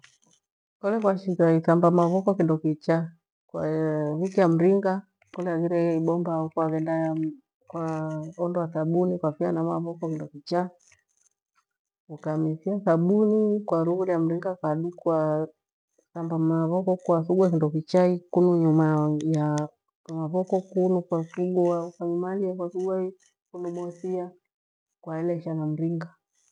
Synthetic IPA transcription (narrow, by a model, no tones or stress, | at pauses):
kɔlɛkwaʃikaiθambamaβɔkɔkindɔkit͡ʃa | kwaβikijam̩ɾiŋɡa | kɔlɛaɡiɾɛiɓɔmbaukuaɡɛnda | kwaɔndɔasaɓunikwafianamaβɔkɔkindɔkit͡ʃa | ukamisiasaɓunikwaɾuɣuliam̩ɾiŋɡakaɗukwa | sambamaβɔkɔkwasuɡwakindɔkit͡ʃaikunuɲumaja | amaβɔkɔkunukwasuɡɔakaɲumalijakwasuɡwai | kunumɔsia | kwaɛlɛʃanam̩ɾiŋɡa